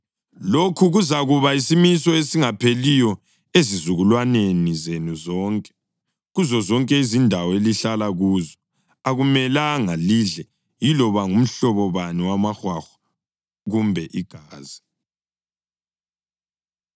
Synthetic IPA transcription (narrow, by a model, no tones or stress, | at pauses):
lokʰuɣuzaɣuβaisimisɔesiŋapʰelijɔ | ezizuɣulwanenizenuzɔːŋkʼɛ̥ | ɣuzɔzɔŋkʼɛizindʱawɔeliɬalaɣuːzɔ | aɣumɛlaŋaliɮɛ | jilɔβaŋum̩ɬɔβɔβaniwamaxwaxḁ | ɣumbʱɛʔiɡ̥ʱaːzi